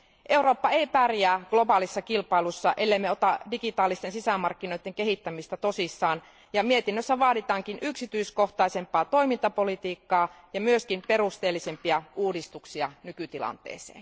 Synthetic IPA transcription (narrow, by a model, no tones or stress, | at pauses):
ʔe̞uro̞ːpːɑeipærjæːɡ̥lo̞bɑːlisːɑkilpɑilusːɑʔelːeimːeot̪ɑdikit̪ɑːlist̪ensisæmɑrkːinoit̪ːeŋkeɦit̪ːæmist̪æt̪osisːɑːn | jɑmiet̪inːøsːæʋɑːdit̪ɑːŋkinʔyksit̪yisko̞ht̪ɑisempɑːt̪o̞imint̪ɑpo̞lit̪iːkːɑː | jɑmyøskimperust̪eːlːisempiɑʔuːdist̪uksiɑnykyt̪ilɑ̰nt̪ḛːsḛːn